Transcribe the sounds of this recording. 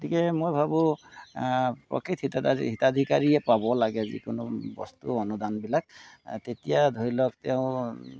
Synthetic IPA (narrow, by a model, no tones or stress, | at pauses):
otikɛmojbʱabu | pɹɔ̰kɹit̪ʰitaɦitad̪ʱikaɹiɛpabɔlaɡɛzḭkʊnʊbɔ̰st̪uɔnud̪anbilak̚tetijad̪ʱoilɔk̚tɛʊ̃